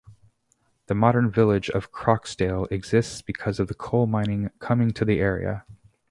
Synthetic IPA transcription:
ðɨmɑɾə̃˞nvɪlˠɪd͡ʒʌ̰v̥kʰɹ̥ɑksteɪlˠɨɡz̥ɪstsb̥ɨkʰʌzʌvðɨkʰoʊlˠmãɪ̃nɪ̃ŋkʰʌmɪ̃ŋtʰɨðiʔɛɹḭɨ̰

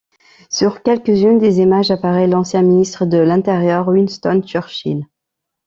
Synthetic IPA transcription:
syʁkʲɛlkʲəzynd̪ezimaʒapaʁɛlɑ̃sjɛ̃minist̪χəd̪əlɛ̃t̪eʁjœʁwinst̪ɔnt͡ʃœʁʃḭl

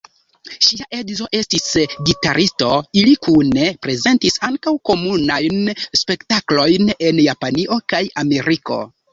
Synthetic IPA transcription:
ʃiaʔe̞dzo̞ʔe̞stisɡitaɾʔisto̞ilikune̞pɾe̞ze̞ntisaŋkawko̞munajnspe̞ktaklo̞jne̞njapaniʔo̞kajame̞ɾiko̞̰

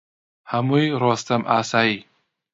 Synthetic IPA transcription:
hamujɾɔst̪amʔasai

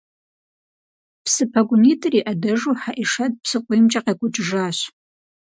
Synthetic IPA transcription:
psɨpʰɐɡʷʊniːtʰʼriːʔɐdɐʐuħaʔiʂɐt̚ʼpʰsɨqʷejmt͡ʃʼɐqɐkʷʼʊʈ͡ʂʼʐaːɕ

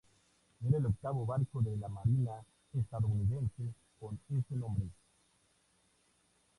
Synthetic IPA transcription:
nenelok̚taβoβaɾkoβeɾlamaɾina | estaðouniðẽnse | konesenɔ̃mbɾe

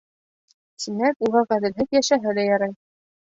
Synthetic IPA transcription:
sinækuʁɑʁæðɘ̆lɦɘðjæʃæɦɘðæjɑɾɑj

